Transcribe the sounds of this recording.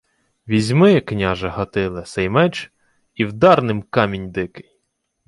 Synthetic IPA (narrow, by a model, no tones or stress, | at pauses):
ʋʲizʲmɪknʲɑʒɛɦɐt̪ɪlˠɛsɛjmɛt͡ʃ | iwd̪ɑrnɪmkɑmʲinʲd̪ɪkɪ̥j